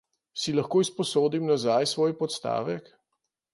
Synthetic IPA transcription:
silaxkoːispɔsoːd̪imnazajsʋoːjpɔt̪st̪a̰ːʋɛk

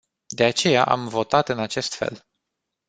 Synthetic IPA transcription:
d̪e̞at͡ʃe̞jaʔa̰mvo̞t̪at̪ɨnat͡ʃe̞st̪fe̞̰l

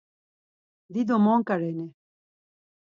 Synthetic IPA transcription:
d̪id̪omɔŋkaɾɛnɛ

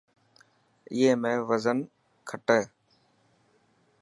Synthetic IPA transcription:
ɪ̰ɦẽːmẽːʋəzən | kʰəʈeː

